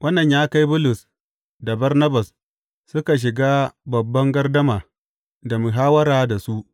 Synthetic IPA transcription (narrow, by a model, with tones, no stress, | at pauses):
wʔɐ˦nːɐ˨ɲjaː˦ka˦jbʊ˦lʊ˨s | da˨bɐ˦rnɐ˦bɐ˨s | sʊ˦ka˨ʃ̬ɪ˨ɡaː˦bɐ˨bːɐ˦ŋɡɐ˦rdɐ˦maː˨ | da˨mʊ˨ɦaː˦wɐ˦ɾaː˨da˨su˦ʔ